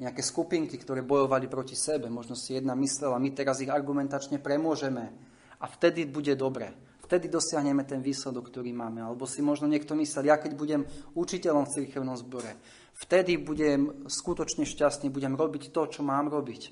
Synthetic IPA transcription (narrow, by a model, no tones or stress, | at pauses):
ɲɛakɛːskupiŋkikt̪ɔɾɛːbɔjɔʋalipɾɔcisɛbɛmɔʒnɔsijɛd̪namislɛlamit̪ɛɾaziɣaɾɡumɛnt̪at͡ʃɲɛpɾɛmʊɔʒɛmɛ | aft̪ɛd̪ibuɟɛd̪ɔbɾɛ̰ː | ft̪ɛd̪id̪ɔsɪaɦɲɛmɛt̪ɛnʋiːslɛd̪ɔkːt̪ɔɾiːmaːmɛalɛbɔsimɔʒnɔɲɪɛkt̪ɔmislɛljakɛɟbuɟɛmut͡ʃicɛlɔmft͡siɾkɛʊnɔmzbɔɾɛ | ft̪ɛd̪ibuɟɛmskut̪ɔt͡ʃɲɛʃcast̪niːbuɟɛmɾɔbict̪ɔt͡ʃɔmaːmɾɔbic